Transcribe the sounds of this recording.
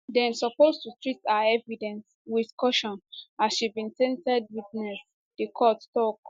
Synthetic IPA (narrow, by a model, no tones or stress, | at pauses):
dɛ̃nsɔpostutɹitaaɛvidɛ̃ns | widkɔʃɔ̃nasʃibĩntɛ̃ntɛd̚witnɛs | d̥ekʰɔttɔk